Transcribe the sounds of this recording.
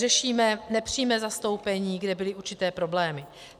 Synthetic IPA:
rɛʃiːmɛnɛpr̝̥iːmɛzast̪o̞wpɛɲiːɡdɛbɪlɪʔuɾt͡ʃɪt̪ɛːpɾo̞blɛːmɪ

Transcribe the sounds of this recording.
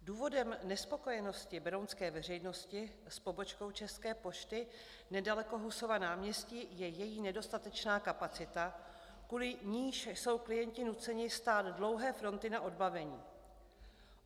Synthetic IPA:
duːvo̞dɛmnɛspo̞ko̞jɛno̞scɪbɛɾonskɛːvɛr̝ɛjno̞scɪ | spo̞bo̞t͡ʃko̞wt͡ʃɛskɛːpo̞ʃt̪ɪ | nɛdalɛko̞ɦuso̞vanaːmɲɛsciːjɛjɛjiːnɛdo̞st̪at̪ɛt͡ʃnaːkapat͡sɪt̪a | kuːlɪɲiːʃso̞wklɪjɛɲcɪnut͡sɛɲɪst̪aːd̪dlo̞wɦɛːfɾo̞nt̪ɪnaʔo̞dbavɛɲiː

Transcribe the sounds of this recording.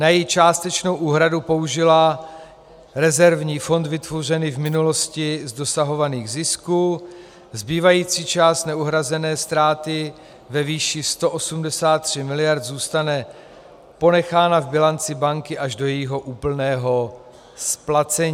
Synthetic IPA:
najɛt͡ʃaːst̪ɛt͡ʃno̞wʔuːɦɾadupo̞uʒɪla | ɾɛzɛɾvɲiːfo̞nd̪vɪt̪vor̝ɛnɪvmɪnulo̞scɪzdo̞saɦo̞vaniːɣzɪskuː | zbiːvajiːt͡siːt͡ʃaːst̪nɛuɦɾazɛnɛːst̪ɾaːt̪ɪ | vɛviːʃɪst̪o̞ʔosumdɛsaːt̪ːr̝̥ɪmɪlɪjaɾt̪zuːst̪anɛ | po̞nɛxaːnavbɪlant͡sɪbaŋkɪʔaʒdojɛjiɦo̞ʔuːpl̩nɛːɦo̞ | splat͡sɛɲː

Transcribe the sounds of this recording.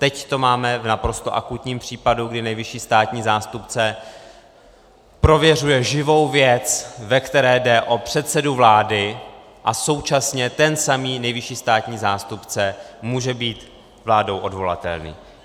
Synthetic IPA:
t̪ɛct̪o̞maːmɛvnapɾo̞st̪o̞ʔakut̪ɲiːmpr̝̥iːpaduɡdɪnɛjvɪʃiːst̪aːt̪ɲiːzaːst̪upt͡sɛ | pɾo̞vjɛrujɛʒɪvo̞wvjɛt͡svɛkt̪ɛɾɛːdɛʔo̞pr̝̥ɛt̪sɛduvlaːdɪ | ʔaso̞wt͡ʃasɲɛt̪ɛnsamiːnɛjvɪʃiːst̪aːt̪ɲiːzaːst̪upt͡sɛmuːʒɛbiːt̪ | vlaːdo̞wʔo̞dvo̞la̰t̪ɛ̰lnḭː

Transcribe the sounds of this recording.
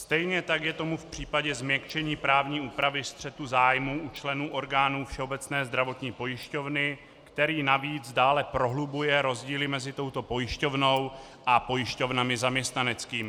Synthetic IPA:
st̪ɛjɲɛt̪akjɛt̪o̞mufpr̝̥iːpaɟɛzmɲɛkt͡ʃɛɲiːpɾaːvɲiːuːpɾavɪst̪r̝̥ɛt̪uzaːjmuʔut͡ʃlɛnuːʔo̞ɾɡaːnuːfʃɛo̞bɛt͡snɛːzd̪ɾavo̞t̪ɲiːpo̞jɪʃco̞vnɪ | kt̪ɛɾiːnaviːd͡zdaːlɛpɾo̞ɦlubujɛɾo̞zɟiːlɪmɛzɪt̪o̞wt̪o̞po̞jɪʃco̞vno̞w | ʔapo̞jɪʃco̞vnamɪzamɲɛst̪nanɛt͡skiːmɪ

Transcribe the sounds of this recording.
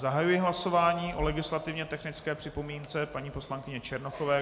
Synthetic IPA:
zaɦajujɪɦlaso̞vaːɲiːʔo̞lɛɡɪslat̪ɪvɲɛt̪ɛxnɪt͡skɛːpr̥ɪpo̞miːnt͡sɛpaɲiːpo̞slaŋkɪɲɛt͡ʃɛɾnoxo̞vɛː

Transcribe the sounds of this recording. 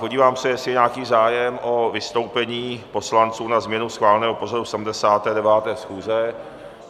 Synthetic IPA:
po̞ɟiːvaːmsɛjɛsɪɲaːkiːzaːjɛmʔo̞vɪst̪o̞wpɛɲiːpo̞slant͡suːnazmɲɛnusxvaːlɛnɛːɦopo̞zadusɛdm̩dɛsaːt̪ɛːdɛvaːt̪ɛːsxuːzɛ

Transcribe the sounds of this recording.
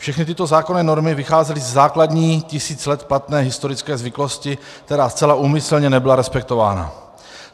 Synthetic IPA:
fʃɛxnɪt̪ɪt̪o̞zaːko̞nɛːno̞ɾmɪvɪxaːzɛlɪzɛzaːkladɲiːcɪsiːt͡slɛt̪plat̪nɛːɦɪst̪o̞ɾɪt͡skɛːzvɪklo̞scɪ | kt̪ɛɾaːst͡sɛlaʔuːmɪsl̩ɲɛnɛbɪlaɾɛspɛk̚t̪o̞va̰ːna̰

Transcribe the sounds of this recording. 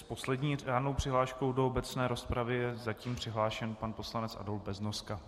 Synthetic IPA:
spo̞slɛdɲiːaːnowpr̥ɪɦlaːʃkowdoobɛt͡snɛːɾo̞spɾavɪjɛzaciːmpr̝̥ɪɦlaːʃɛnpanpo̞slanɛt͡sʔa̰dol̚bɛznoska

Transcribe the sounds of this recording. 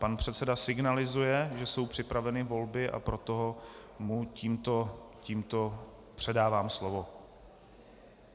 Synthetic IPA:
panpr̝̥ɛt̪sɛdasɪɡnalɪzujɛʒɛso̞wpr̝̥ɪpɾavɛnɪvo̞lbɪʔa̰pɾo̞t̪oɦomuciːmt̪o̞ciːmt̪o̞ | pr̥ɛdaːvaːmslo̞vo̞

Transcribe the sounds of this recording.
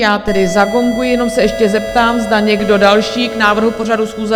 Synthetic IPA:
jaːt̪ɛdɪzaɡo̞ŋɡujɪjɛno̞msɛɛʃcɛzɛp̚t̪aːmzdaɲɛɡdo̞dalʃiːknaːvr̩ɦupo̞radusxuːzɛ

